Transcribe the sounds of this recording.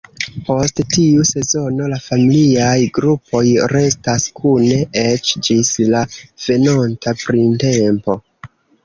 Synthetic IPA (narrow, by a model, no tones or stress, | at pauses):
po̞sttiuse̞zo̞no̞lafamiliajɡɾupʰo̞jɾe̞staskʰune̞et͡ʃd͡ʒislav̥e̞nontapɾinte̞mpo̞